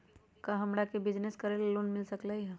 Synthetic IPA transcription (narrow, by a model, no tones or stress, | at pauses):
kaɦɐmɾakebɪd͡ʒneskəɾelloːnmɪlsəklaiɦ